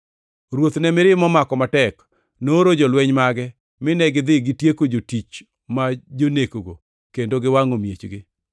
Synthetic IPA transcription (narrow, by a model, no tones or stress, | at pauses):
ɾwot̪nɛmɪɾɪmɔmakɔmatɛk | noɾod͡ʒɔlwɛɲmaɡɛ | mɪnɛɡɪd̪ɪɡɪtjekod͡ʒotit͡ʃ | mad͡ʒonekoɡo̰ | kendoɡɪwaŋomjet͡ʃɡɪ